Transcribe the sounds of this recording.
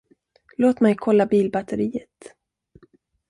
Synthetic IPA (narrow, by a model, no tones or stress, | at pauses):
loːt̪mɛjkʰɔlːabiːlbat̪əɾiːət̪